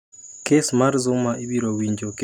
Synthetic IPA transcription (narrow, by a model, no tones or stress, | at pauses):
kesmaɾzʊmaʔibiɾowiɲd͡ʒok